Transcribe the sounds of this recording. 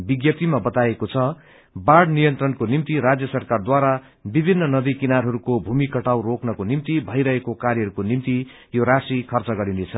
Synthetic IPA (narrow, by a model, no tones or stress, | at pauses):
biɡjʌt̪imabʌt̪aekot͡sʰʌ | baɽnijʌnt̪rʌnkonimt̪iɾad͡zjʌsʌrkard̪waɾa | bibʱinːʌnʌd̪ikinaɾɦʌɾukobʱumikʌʈawroknʌkonimt̪ibʱʌjɾʌɦekokaɾjʌʌɾukonimt̪i | joɾasikʰʌrt͡sʌɡʌɾinet͡sʰʌ